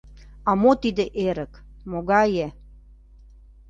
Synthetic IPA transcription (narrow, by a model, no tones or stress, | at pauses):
ɑmot̪id̪eʔeɾəkmoɡɑje